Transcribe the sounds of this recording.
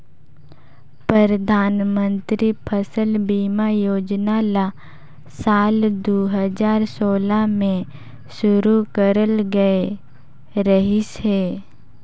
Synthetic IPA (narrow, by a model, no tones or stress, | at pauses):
pɾəɾəd̪ʱaːnmə̃nt̪ɾipʰəsəlbiːmajoːd͡ʒnala | saːld̪oːɦəd͡ʒaːɾsoːlamẽ | ʃʊɾukəɾəlɡəe | ɾəɦisɦeː